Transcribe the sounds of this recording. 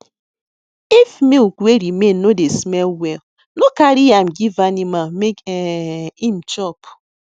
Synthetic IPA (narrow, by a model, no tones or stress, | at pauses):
ifmikweɾimen̩ːodesmɛlwɛl | nokaɾiam̩ɡivanimalmekɛim̩t͡ʃɔp